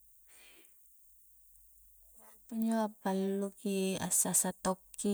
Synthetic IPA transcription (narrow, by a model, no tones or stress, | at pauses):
puɲoapalːukia̰sasat̪ɔki